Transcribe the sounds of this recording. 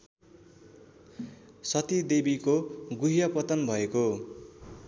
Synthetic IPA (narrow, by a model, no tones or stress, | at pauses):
sʌt̪id̪ebikoɡuɦijʌpʌt̪ʌnbʱʌeko